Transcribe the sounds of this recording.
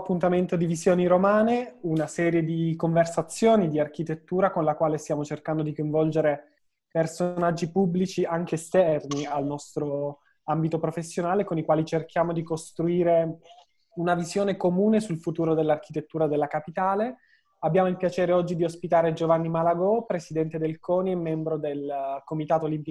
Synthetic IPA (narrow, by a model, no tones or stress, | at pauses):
pːunt̪ament̪od̪ivizjoːniɾomaːneunasɛːɾjed̪ikoɱversat̪sːjoːnid̪iarkit̪et̪ːuːɾakonlakwaːlest̪jaːmot͡ʃerkand̪od̪ikoj̃ɱvɔld͡ʒeɾe | personad͡ʒːipubːlit͡ʃiaŋk̟eːst̪ɛrnialnɔst̪ɾo | ambit̪opɾofesːjonaːlekonikwaːlit͡ʃerkjaːmod̪ikost̪ɾuiːɾe | unavizjoːnekomuːnesulfut̪uːɾod̪elːark̟it̪et̪ːuːɾad̪elːakapit̪aːle | abːjaːmoilpjat͡ʃɛːɾeɔd͡ʒːid̪iospit̪aːɾed͡ʒovanːimalaɡɔpɾesid̪ɛnt̪ed̪elkɔːniɛmːɛmbɾod̪elkomit̪aːt̪olimpi